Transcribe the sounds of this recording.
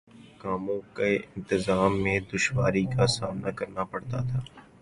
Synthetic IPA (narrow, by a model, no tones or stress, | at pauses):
kaːmõkeɪ̃nt̪ɪzaːmːẽd̪ʊʃwaːɾikasaːmnakɐɾnapɐɽt̪at̪ʰaː